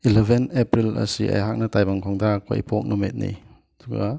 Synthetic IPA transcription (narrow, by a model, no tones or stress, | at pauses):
ilebʱenepɾilɐ̰sia̰jɦak̚nɐtajbaŋkʰɔŋdakʰo̰j̰pʰɔk̚numet̚nḭ | duɡa̰